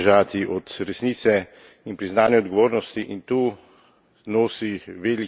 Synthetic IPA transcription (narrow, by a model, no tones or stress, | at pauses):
ʒaːt̪iʔɔt̪ɾɛsniːt̪sɛ | inpɾiznaːnjɛɔd̪ɡɔʋoːɾnɔst̪iʔint̪uː | noːsiʋeːli